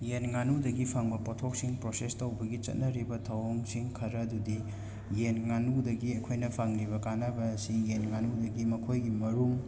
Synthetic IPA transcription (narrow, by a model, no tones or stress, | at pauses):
jenŋanudɐɡipʰaŋbɐpotʰok̚siŋpɾosestowbɐɡit͡ʃɐ̰t̚nɐɾibɐtʰɐwoŋsiŋkʰɐɾɐdudi | jenŋanudɐɡiɐkʰojnɐpʰaŋliβɐkanɐbɐːsijenŋanudɐɡimɐkʰojɡimɐɾuŋ